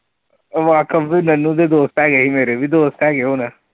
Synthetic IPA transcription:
ʋaːkəbzenənːũd̪ed̪oːst̪ɛːɡeɦimeːɾebʱid̪oːst̪ɛːɡeɦona

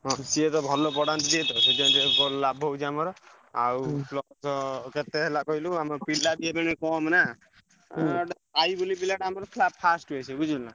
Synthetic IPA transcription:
ɦɔ̃siet̪ɔbʱɔlɔpɔɽant̪ɔd͡ʒiet̪ɔsed͡ʒ̪atebɔllabʱɦowt͡ʃʰiamɔɾɔ | awpʰlɔsɔket̪eɦelakɔɦiluamɔɔpilad̪iebeñekɔmna | ajbulipilaʈamɔɾɔpʰlapʰasʈejsʰebud͡ʒʱela

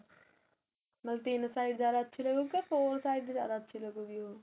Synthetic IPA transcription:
mɐlt̪iːnəsaːɪd̪zjaːd̪aətːʃʰilɐɡukefoːlsaːɪd̪zja̰ːd̪aətːʃʰilɐɡuɡijoː

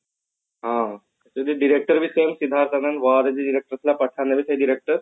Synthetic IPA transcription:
ɦã | sud̪iɖiɾek̚ʈəɾʋisemsid̪ʱaɾt̪anənʋaɾəd͡ʑiɖiɾek̚ʈəɾəslapəʈʰanəʋiseɖiɾek̚ʈəɾ

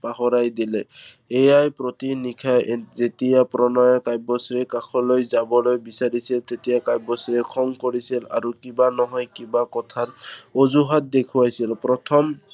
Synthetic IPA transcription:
paɦɔɹajdilɛ | ejajpɹotinikʰajzetijapɾɔnɔjɔkajbɔsɹɛkakʰɔlojzabɔlojbisaɹisilt̪etijakajbɔsɹɛkʰɔŋkoɹisila̰ɹukibanɔɦɔjkibakɔtʰatozuɦat̚d̪ekʰuwajsilpɹɔtʰɔm

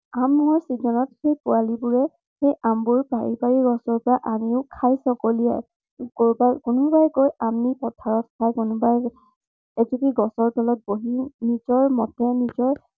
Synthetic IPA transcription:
amɔɹsizɔnɔtxejpʊalibuɹɛ | xejambʊɹbaɹibaɹiɡɔsɔɹpɔɹaʔamiʊkʰajsɔkolija̰j | kobakunubajkojamipɔtʰaɹɔt̚kʰajkunʊbaj | ed͡ʒupiɡɔsɔɹpɔlɔt̚boɦinizɔɹmɔtɛnizɔɹ

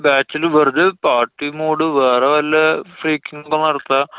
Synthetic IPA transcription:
baːt͡ɕːilʋerɨdepaːʈːimuːɽɨʋeːreʋɐlːɐfriːkːiŋːɐkːonːɐɽɐt̪ːa

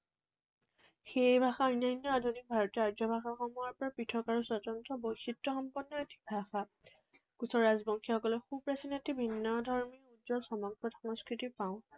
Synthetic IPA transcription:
xebʱaxaɔjnajnːɔadʱonik̚bʱaɹɔtiadɔbʱaxaxɔmɔjaɹpɔɹapɹitʰɔkaɹusɔtɔntɔbojxitːɔxɔmpɔnːɔetʰi̥k̚bʱaxa | kusɔɹazbɔŋkʰixɔkɔlɔxupɹasinetibʱinːɔdʱɔɹmiudzɔsɔmɔɡɹɔtʰɔŋskɹitipaʊ̃

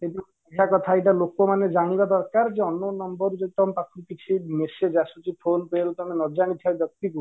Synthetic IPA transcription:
eʈi | ɛkʰakɔt̪ʰaeʈalokomaned͡ʒaɽ̃ibad̪ɔɾkaɾd͡ʒeɔnonɔmbɔɾud͡ʒeit̪ɔmpakʰupit͡ʃʰimesed͡ʒasut͡ʃipʰonpelut̪ɔmenɔd͡ʒaɽ̃it̪ʰiabjɔk̚t̪iku

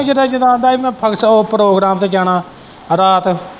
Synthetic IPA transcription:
d͡ʒəd̪ãːd͡ʒɪd̪ãːnd̪aːiːmɛ̃ːpʰəksoːpɾoːɡɾaːmt̪eːd͡ʒaːɳaː | ɾaːt̪

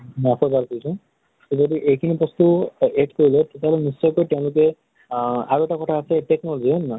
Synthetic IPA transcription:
mɔapʰɔbaɾkoɹisɔ̃ | teodiʔejkʰinipɹɔst̪ueɖkoɹilet̪eteɦalenisːɔjkojtɛʊ̃lʊke | aɹuɛʈakɔtʰaːseʈeknɔlɔziɔnma

